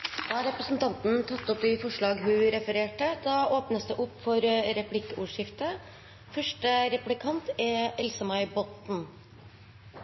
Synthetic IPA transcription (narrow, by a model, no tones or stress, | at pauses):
d̪̥ɑɾɛpɾəsn̩t̪ʰɑnt̪nt̪ʰɑt̪ːɔpɪfɔʂɭɑːɡɦʉːɾɛfəɾeːʈəd̪ɑːʔoːpnəsd̪ɛʔɔpːfɔɾɾɛpʰlɪkːəuːʂɪft̪ə | fœʂʈəɾɛplɪkʰɑnt̪ɛɛlsəmɑɪbɔt̪n̩